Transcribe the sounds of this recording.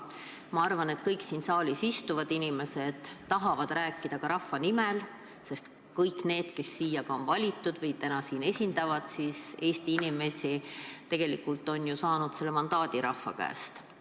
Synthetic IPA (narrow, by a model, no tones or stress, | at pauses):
mɑɑrvɑne̞t̪kɤjksiːnsɑːlʲisist̪uvɑd̪̥inime̞se̞d̪̥t̪ːɑɦɑvɑd̪̥ræːkːˑid̪̥ɑkɑɾɑfːɑnimel | se̞st̪ | kɤjkne̞ːd̪̥ke̞sːiːjɑɡ̥ɑo̞nvɑlʲit̪ːˑud̪̥vɤjt̪ænɑsiːne̞sʲind̪ɑvɑd̪̥siːse̞ːst̪iinime̞sʲit̪e̞ɡ̥e̞likult̪ːˑo̞njusɑːnud̪̥se̞lːemɑnd̪ɑːd̪̥iɾɑfːɑ̰kæ̰ːst̪